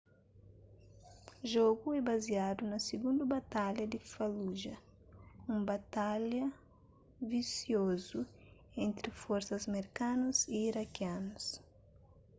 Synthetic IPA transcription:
ʒɔɡuɛbazjad̪unɐsiɡũnd̪ubat̪aʎjɐd̪ifaluʒɐ | ũmbat̪alɐ | visjozu | ẽnt̪ɾifɔɾsɐzmeɾkanuziːɾakjanus

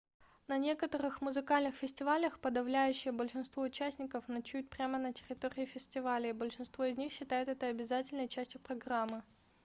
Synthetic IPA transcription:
nɐnʲe̞kət̪əɾɨxmʊzɨkalʲnɨxfʲɪsʲtʲɪvalʲəxpəd̪ɐvlʲæjʉɕːɪjəbəlʲʂɨnst̪vo̞ʊt͡ɕæsʲnʲɪkəfnɐt͡ɕut̚ʲpɾʲamənətʲɪɾʲɪt̪oɾʲɪːfʲɪsʲtʲɪvalʲɪːbəlʲʂɨnst̪vo̞ɪzʲnʲixɕːɪt̪ajɪt̪ɛt̪əɐbʲɪzatʲɪlʲnəjt͡ɕæsʲtʲjʊpɾɐɡramːɨ

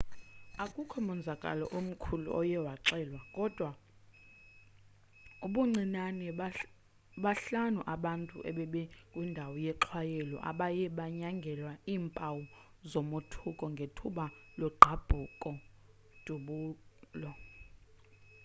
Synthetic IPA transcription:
akʼukʰɔmɔnd͡zʱakʼa̰lɔ̰ʔom̩kʰulṵʔɔjɛwaǁɛːlwakʼɔd̥ʱwa | uɓuŋ͡ǀinanɛ | ɓaɬanuʔaɓantʼṵʔɛ̰ɓɛɓɛkʼwindʱawɔjɛǁʰwajɛlɔ̰ʔa̰ɓajɛɓaɲaŋɡʱɛlwaiːmpʼawu | zɔmotʰukʼɔŋɡʱetʰuɓalɔɡ͡ǃʱab̥ʱukʼɔ | d̥ʱuɓuːlɔ

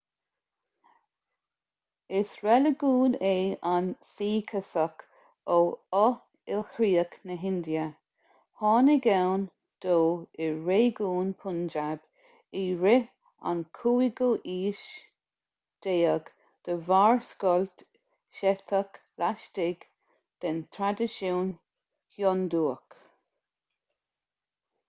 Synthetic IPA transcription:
ɪsɹɛləɡuːneːansiːkʰəsək | oːɔ | ɪlhɾiːəknəɦɪnd̪jə | hɑːnɪɡawn | d̪̥oːɪɹeːɡuːnpʰʊnd͡ʒab̥ | iɹe | a̰nkʰuːiɡoʔiːʃ | d̪̥eːəɡ | d̪̥əvaːɹskɔlt̪ | ʃɛt̪ʰək | laʃtɪɡ | d̪̥ɛnt̪ʰɾad̪ɪʃoːn | hjɔnd̪uːək

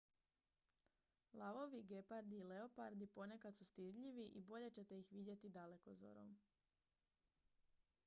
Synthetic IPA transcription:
lˠaʋo̞ʋiɡepaɾd̪iːle̞opa̰ɾd̪ipo̞ne̞kat̪sust̪id̪ʎiʋiʔibo̞ʎe̞t͡ɕe̞t̪e̞ixʋid̪jet̪id̪ale̞ko̞zo̰ɾo̰m

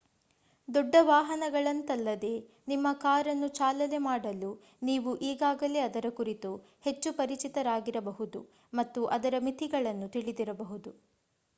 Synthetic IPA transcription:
d̪ɔɖːɐʋaːɦɐnɐɡɐɭɐnt̪ɐlːɐd̪e̞ː | nimːɐkaːɾɐnːut͡ʃaːlɐlemaːɽɐlu | niːʋuʔiːɡaːɡɐle̞ːɐd̪ɐɾɐkuɾit̪u | he̞t͡ʃːupɐɾit͡ʃit̪ɐɾaːɡiɾɐbɐɦud̪u | mɐt̪ːuʔɐd̪ɐɾɐmit̪ʰiɡɐɭɐnːut̪iɭid̪iɾɐbɐɦud̪u

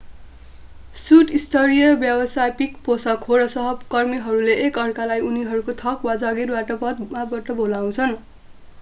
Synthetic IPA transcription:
suʈist̪ʰʌɾijʌbjʌbʌsajpikposʌkʰoɾʌsʌɦʌbkʌrmiɦʌɾuleʔːkʌrkalajuniɦʌɾukot̪ʰʌkwad͡zʌɡirbaʈʌpʌd̪̚mabʌʈʌbolaw̃t͡sʰʌn

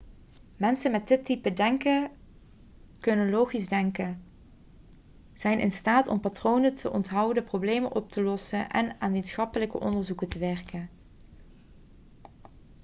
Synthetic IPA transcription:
mɛnsənmɛtdɪtːipədɛŋkə | kɵnənloːχizdɛŋkən | z̥ɛjnʔɪ̰nstaːtɔ̰mpatrownətʰəʔɔntɦɑwdəprowblejmənʔɔp̚təlɔsənʔɛ̰naːnʋitsχɑpələkə̰ʔɔndəɹzukətəʋɛrkən

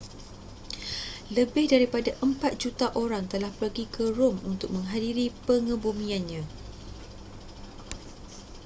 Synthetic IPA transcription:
ləbɪhdaɾipadaʔəmpat̪̚d͡ʒut̪aʔoɾaŋt̪əlahpərɡikəɾʊmunt̪ʊk̚mə̃ŋɦadiɾipəŋə̃bumĩanɲã

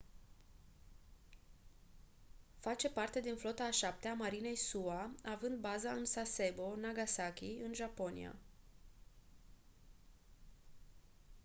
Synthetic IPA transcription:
fat͡ʃe̞part̪e̞d̪inflo̞t̪aːʃap̚t̪eamaɾine̞jsuaavɨnd̪̚bazaɨnsase̞bo̞naɡasakʲiɨnʒapo̞nḭa̰

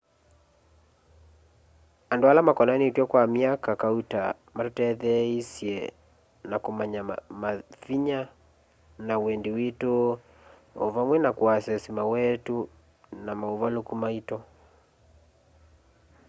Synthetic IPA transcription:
andoalamakɔnanetwɛkwamiakakauta | maɾotɛðɛisjɛ | nakomaɲamaθiɲa | nawɛndeweto | ovamwɛnakwasɛsimawɛtu | namaovalokumaitɔ

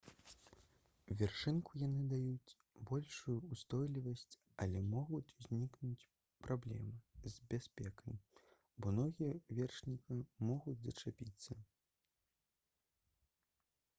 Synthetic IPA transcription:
uvʲɛrʂɨnkujanɨd̪ajut͡sʲ | bɔlʲʂujuːst̪ɔjlʲivɐsʲt͡sʲ | ɐlʲɛmɔɣut͡sʲuzʲnʲiknut͡sʲ | pɾablʲɛ̰mɨzʲbʲasʲpʲɛkɐj | bɔnɔɣʲijɐvʲɛrʂnʲikɐmɔɣud͡zʲzɐt͡ʂapʲit̪sːɐ

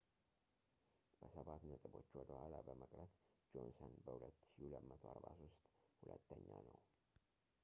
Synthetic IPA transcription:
b̥əsəβat̪nət̪ʼɨbo̞t͡ʃːwɔd̪əhʷwalabəməkʼɾət̪ | d͡ʒonsonbəhulət̪ːʃuləmːət̪ʰoaɾbasost̪ʼhulə̰t̪ʰːəɲːanəw

